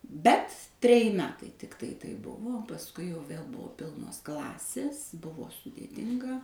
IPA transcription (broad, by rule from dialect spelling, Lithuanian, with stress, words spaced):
ˈbʲɛt tʲrʲɛˈjɪ ˈmʲæːtɐɪ ˈtʲɪktɐɪ tɐɪp ˈbʊʋoː oː pɐsˈkʊɪ jɛʊ ˈʋʲeːlˠ ˈbʊʋoː ˈpʲɪlˠnoːs ˈklˠɑːsʲeːs ˈbʊʋoː sʊdʲeːˈtʲɪŋɡɐ